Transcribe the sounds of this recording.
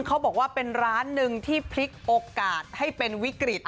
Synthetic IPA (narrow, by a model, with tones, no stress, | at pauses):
ŋkʰa˦˥wbɔː˨˩k̚waː˥˩pe˧nɾaː˦˥nːɯ˧ŋt̪ʰiː˥˩pʰli˦˥k̚ʔoː˧kaː˨˩t̪̚ha˥˩jpe˧nwi˦˥kɾi˨˩t̪̚ʔ